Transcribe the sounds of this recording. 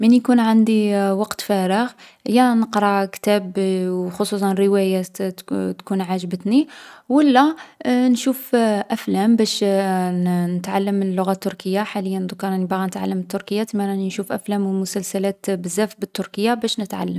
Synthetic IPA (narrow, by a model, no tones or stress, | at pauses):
mənjkunʕand̪iwɑqt̪fæɾəɣəjːænəqɾˤɑkt̪æbwxosˤus̬ˤɑnrəwæjæ | t̪kunʕaʒbət̪niwəlːænʃufʔæflæmbæʃ | nət̪ʕalːəmːəlːʊɣæt̪ːʊɾkəjːaħaləjːænd̪ʊkːɑɾˤɑnibɣænət̪ʕa̰lːəmət̪ːʊɾkəjːat̪manæninʃufʔæflæmwmʊsælsælæt̪bəzːæfbət̪ːʊɾkəjːabæʃnət̪ʕa̰lːəm